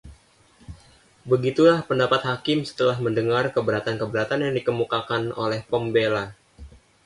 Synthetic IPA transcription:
bəɡit̪ulahpəndapat̪̚hakɪmsə̥t̪əlahməndəŋarkəbəɾat̪ankəbəɾat̪anjaŋdikəmukakano̰lɛhpɔmbela

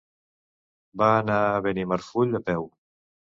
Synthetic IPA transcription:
baːnaβenimaɾfuʎəpɛw

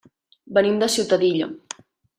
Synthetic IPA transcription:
bənimd̪əsiwt̪əðiʎo̰

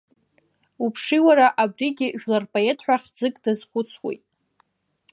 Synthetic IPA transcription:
upʰʂiwaɾaʔabriɡʲɪʒᶣlarpʼoetʰħʷᶣaχʲd͡zɨkʼdazχʷʊt͡sʰwḛjtʼ

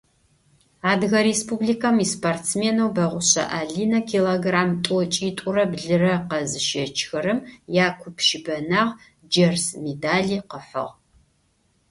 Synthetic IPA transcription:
aːdɣɐɾespʰublikʰɐmispʰortsmeːnɐwbɐʁʷʊɕɐ̰ʔaːɮiːnɐkʰiloɡraːmtʼɔt͡ʃʼiːtʼʊrɐbɮɨrɐqɐzɨʃɐt͡ʃʰxɐɾɨmjaːkʷʰʊpʰʃɪbɐnaːʁ | d͡ʒɐrsmedaːɮiːqəħʷɔ̰ʁ

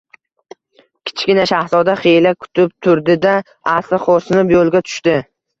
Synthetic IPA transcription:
kʲʰɪ̥t͡ʃʰɡʲɪnaʃahzɒd̪aχelakʰʊ̥t̪ʰɪp̚t̪ʰʊɾd̪ɪd̪a | aslɪχosnɪpjolˠɡʲat̪ʰʊ̥ʃt̪ɪ

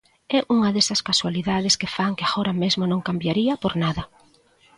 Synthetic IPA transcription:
ɛʔuŋɐðesɐskaswaliðað̞ɪskɪfaŋkeaɣoɾɐmezmonõŋkambjaɾiɐpoɾnaðɐ

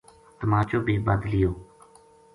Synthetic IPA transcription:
t̪əmaːt͡ʃoːbʱiːbəd̪lɪjoː

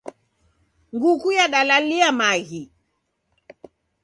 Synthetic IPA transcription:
ŋɡukujaɗalaliamaɣi

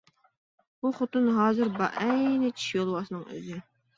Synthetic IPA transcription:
buχot̪ɨnɦɑːzɨɾbɑ̰ʔɛjnɪt͡ʃʰi̥ʃjolˠwɑsɨnɨŋø̰zɪ

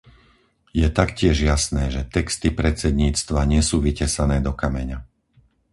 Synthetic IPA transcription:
jɛt̪akcɪɛʒjasnɛːʒɛt̪ɛkst̪ipɾɛt͡sɛd̪ɲiːt͡st̪ʋaɲɪɛsuːʋicɛsanɛːd̪ɔkamɛɲa

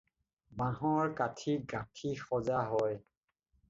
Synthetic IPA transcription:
bãɦɔɹkatʰiɡãtʰixɔzaɦɔj

